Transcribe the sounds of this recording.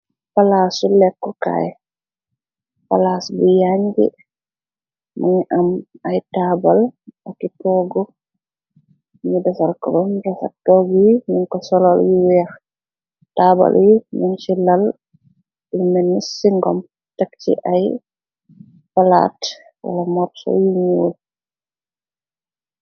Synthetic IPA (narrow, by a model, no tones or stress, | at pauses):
palasulɛkːɔka̰jɛ | pa̰lasbijaɲɡɛ̰ | muɲʔamajtabalakitɔɡɔ | ɲidasalkɔɾɔndasa̰tɔɡijiminkɔsɔlɔljiwɛɾ | taːba̰ljimint͡ʃilal | imɛnːisiŋɡɔm | takt͡ʃḭʔaj | pala̰t | wa̰lamɔɾsɔ̰jiɲul